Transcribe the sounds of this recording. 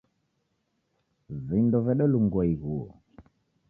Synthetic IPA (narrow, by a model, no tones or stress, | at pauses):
vindɔvɛɗɔluŋɡɔiɣuɔ̰